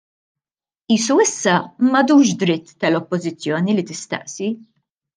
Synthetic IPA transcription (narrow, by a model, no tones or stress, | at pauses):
iːsuɪsːɐmɐd̪uːʃd̪ɾɪt̪ːɐlɔpːɔzɪt͡sːjɔːnilit̪ɪst̪ɐ̰ʔsi